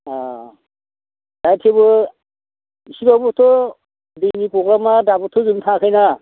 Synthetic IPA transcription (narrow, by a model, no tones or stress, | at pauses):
a | d̥ajtʰebɯ | sibabɔtʰɔ | dinipɔɡlamadabɔtʰɔzumtʰãkʰɯjna